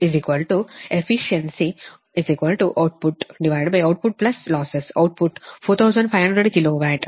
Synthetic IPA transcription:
ɪziːkʋəlʈuefiʃə̃nsi | ɪziːkʋəlʈuʔaʊʈ̚pʊʈɖiʋaɪɖbajaʊʈ̚pʊʈ̚plɐslɔːsəsa̰ʊʈ̚pʊʈfoːɾt̪ʰaʊzə̃ɳɖfaɪjʋɦɐ̃ɳɖɾəɖkiloʋaʈ

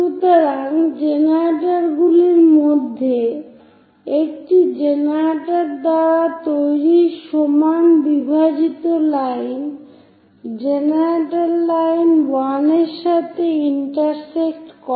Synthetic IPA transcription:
ʃut̪oɾaŋd͡ʑenaɾʈaɾɡuliɾmod̪ʱːe | ek̚ʈid͡ʑenaɾʈaɾd̪aɽat̪ojɾiʃomanbibʱad͡ʑit̪olajn | d͡ʑenaɾaʈalːajnwaneɾʃat̪ʰeiɳʈaɾsek̚ʈkɔ

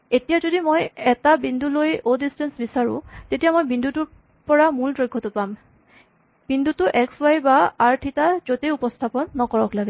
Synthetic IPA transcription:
etijazodimojɛtabindulojodistɛnsbisaɹʊ̰̃tetijamojbindʱutuɹ | pɔɹamuldɹojɡʰʱːɔtʊpam | b̥indʱutʊʔɛkswajbaaɹtʰitazoteupɔstʰapɔnːɔkɔɹɔklaɡɛ

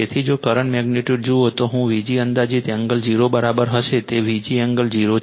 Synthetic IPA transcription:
et̪ʰid͡ʒokəɾəɳʈmɛɡniʈjuɖ̚d͡ʒuot̪oɦũʋid͡ʒiənd̪ad͡ʒit̪ɛ̃ŋɡəld͡ʒiɾobəɾabəɾɦəʃet̪eʋid͡ʒiəŋɡəld͡ʒiɾo

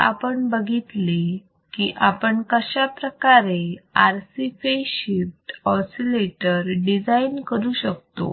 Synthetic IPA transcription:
a̰pəɳbəɡʱit̪le | kiʔapəɳkəɕapɾəkaɾeaɾsifeɕifʈɔsileʈəɾɖid͡zainkəɾuːɕək̚t̪o̰

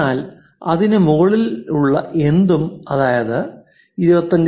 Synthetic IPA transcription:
aːl | ɐðinɨmuɣɐɭiluɭːɐʔe̞nd̪umɐðaːjɐðɨ | iɾubɐt̪ːɐnd

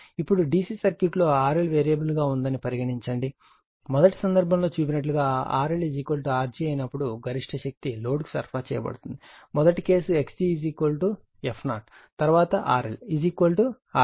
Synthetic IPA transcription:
ipːuɽuɖiːsiːsɐɾkjuʈlo̞ːaːɾelʋeːɾijɐbɐlɡaːund̪ɐnipɐɾiɡɐɽiɲt͡ʃɐɳɖi | mɔd̪ɐʈi̥sɐnd̪ɐɾbʱɐmlo̞ːt͡ʃuːp̬inɐʈ̬luɡaːa̰ːɾelid͡ʒiːkoːlʈuaːɾd͡ʒiːɐjnɐpːuɽuɡɐɾiʂʈʰɐʃɐk̚t̪ilo̞ːɖku̥sɐ̰ɾpʰaːt͡ʃɛ̰ːjɐbɐ̰ɽut̪und̪imɔd̪ɐʈike̞ːsueksiid͡ʒiːkoːlʈu | epʰnaːɾʈ | t̪ɐɾuʋaːt̪ɐʔaːɾḛlid͡ʒiːkoːlʈu | aː

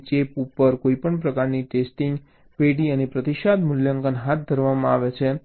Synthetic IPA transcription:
t͡ʃepupːəɾkoipəɳpɾəkaɾniʈesʈiŋɡ | peɽiənepɾət̪iʃad̪mʊljəŋɡənɦat̪̚ʰd̪ʱəɾʋamãaʋet͡ʃʰe

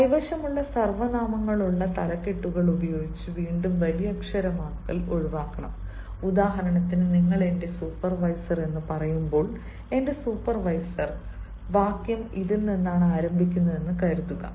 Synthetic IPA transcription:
ɐjʋɐɕɐmuɭːɐsɐrʋɐnaːmɐŋːɐɭuɭːɐt̪ɐlɐkːe̞ʈːuɣɐɭubɐjo̞ːɡit͡ɕːɨʋiːɳɖumʋɐlijɐkʂɐɾɐmaːkːɐloɻʋaːkːɐɳɐ̰m | ud̪aːɦɐɾɐɳɐt̪ːinɨniŋːɐɭe̞nde̞suːpːɐrʋɐjsɐre̞nːɨpɐrɐjumbo̞ːɭ | e̞nde̞suːpːɐrʋɐjsɐr | ʋaːkjɐmiðulnːenːaːɳaːɾɐmbʱik̬ʲːunːɐðe̞nːɨkɐɾuðuɣɐ̰

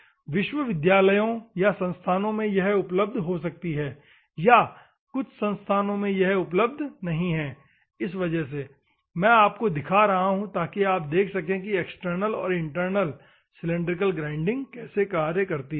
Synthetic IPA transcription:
ʋɪʃʋəʋɪd̪jaːləjõjasɐ̃nst̪ʰaːnõmẽjɐɦʊpləb̚d̪ʱɦosɐk̚t̪iɦɛː | ja | kʊt͡ʃʰsɐ̃nst̪ʰaːnõmẽjɐɦʊpləb̚d̪ʱnɐɦĩɦɛ̃ː | ɪs̬ʋɐd͡ʒəɦs̬e | mɛ̃ːaːpkod̪ɪkʰaɾɐɦaɦũt̪aːkiaːp̚d̪eːkʰsɐkẽkieksʈəɾnəlɔ̰ːɾɪ̃ɳʈəɾnəl | sɪlɪ̃ɳɖɾɪk̬əlɡɾãːɪ̃ɳɖɪ̃ŋɡ̚kɛːsekaːɾjəkɐɾt̪i

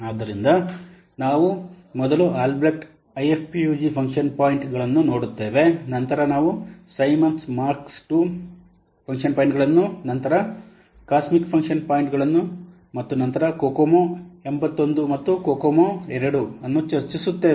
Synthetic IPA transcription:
aːd̪ːɐɾind̪ɐ | naːʋu | mɔd̪ɐluʔaːlbɾɐʈ | ɐjepʰpijuːd͡ʒipʰɐŋkʂɐnpaːjiɳʈɡɐɭɐnːuno̞ːɽut̪ːe̞ːʋe̞nɐnt̪ɐɾɐnaːʋusɐjmɐnsmaːɾksʈu | pʰɐŋkʂɐnpaːjiɳʈɡɐɭɐnːunɐnt̪ɐɾɐ | kaːsmikpʰɐŋkʂɐnpaːjɳʈɡɐɭɐnːu | mɐt̪ːunɐnt̪ɐɾɐkoːkomoe̞mbɐt̪ːo̞nd̪umɐt̪ːukoːkomoɛɾɐɽuɐnːut͡ʃɐɾt͡ʃisut̪ːe̞ː

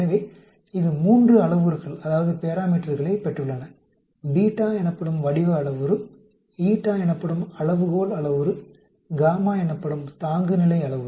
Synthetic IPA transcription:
ɐʋeː | ɪðɯmuːndrɯɐɭɐʋɯɾɣɐɭɐðaːʋɐðɯpeːɾaːmiːʈːɐɾɣɐɭɐɪpɛʈrɯɭːɐnɐ | biːʈːaːɛnɐpːɐɽɯmʋɐɽɪʋɯɐɭɐʋɯɾɯ | iːʈːaːɛnɐpːɐɽɯmɐɭɐʋɯɣoːlɐɭɐʋɯɾɯ | ɡaːmaːɛnɐpːɐɽɯmt̪aːŋɡɯnɪlɐɪɐɭɐʋɯ

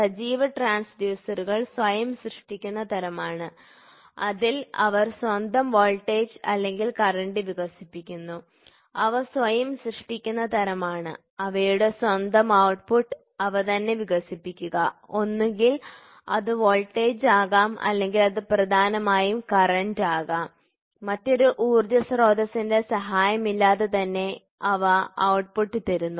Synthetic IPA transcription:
sɐd͡ʑiːʋɐʈraːnsɖ̪juːsɐɾuɣɐɭsʋɐjɐmɕrɨʂʈikʲːunːɐt̪ɐɾɐmaːɳɨ | ɐðilɐʋɐrswɐnd̪ɐmʋoːlʈːeːd͡ʑɐ̰lːe̞ŋɡilkɐrɐɳɖɨʋiɣɐsipːikʲːunːu | ɐʋɐsʋɐjɐmɕrɨʂʈikʲːunːɐt̪ʰɐɾɐmaːɳɨ̰ | ɐʋɐjuɽe̞swɐnd̪ʱɐmɐwʈpuʈː | ɐʋɐt̪ɐnːe̞ʋiɣɐsipːikʲːuɣɐo̞nːeŋɡil | ɐ̰ðɨʋoːɭʈːeːd͡ʑaːɣaːmɐ̰lːe̞ŋɡilɐðɨprɐd̪ʱaːnɐmaːjumkɐrɐndaːɣaːmː | ɐtːo̞ɾuʔuːrd̪jɐsro̞ːd̪ʱɐsinde̞sɐɦaːjɐmilːaːðe̞t̪ɐnːe̞ | ɐʋɐɐwʈpuʈːɨt̪ɐɾunːu

